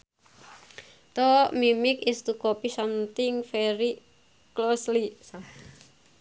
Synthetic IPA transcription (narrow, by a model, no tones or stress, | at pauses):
t̪ɔmimɪkist̪ukopisamt̪ɪŋfɛɾi | kloslisa